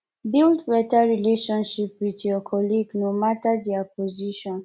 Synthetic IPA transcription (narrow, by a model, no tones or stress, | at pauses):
bildbɛtaɹileʃɔ̃nʃip̚wiθjɔkʰɔliɡnomatadɛapɔziʃɔ̃n